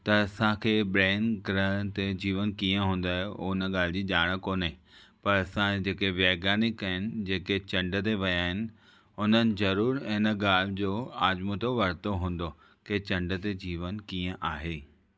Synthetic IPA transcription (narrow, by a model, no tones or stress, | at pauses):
t̪ɐːsãkʰeːɓɾeːnkɾət̪ed͡ʑiːʋənkiːə̃ɦũːn̆d̪aːɦeonəɠaːl̤ɪd͡ʑiːʄaːɽ̃ə̆koːnəɪ̃ | pɐɾɐsãd͡ʑeːkeʋeːɡaːnɪkːɐɦɪnɪ̆d͡ʑeːket͡ɕɐ̃ɳɖət̪̬eʋɐjaːɦɪnɪ̆ | ʊn̤ənɪ̆zɐɾuːɾɪnə̆ɠaːl̤ɪd͡ʑoːaːd͡ʑmut̪oʋɐɾ̤t̪oɦũːn̆d̪o | keːt͡ɕɐ̃ɳɖət̪ed͡ʑiːʋənkiːə̃ʔaːɦeː